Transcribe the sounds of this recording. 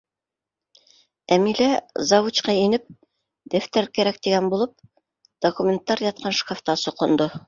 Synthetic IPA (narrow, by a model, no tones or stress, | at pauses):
æmilæzɑwut͡ɕqɑinɘp̚ | d̪æft̪æɾkæɾæk̚t̪iɡænbulˠɤp̚ | d̪̥okumʲent̪ːɑɾjɑt̪̚qɑnʃkaft̪ɑsŏqŏnd̪o